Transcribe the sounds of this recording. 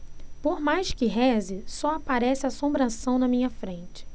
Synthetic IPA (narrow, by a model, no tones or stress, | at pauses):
poɾmajʃkɪɦɛzɪsɔapaɾɛsɪasõbɾasɐ̃w̃nɐmĩɲɐfɾẽnt͡ʃɪ̥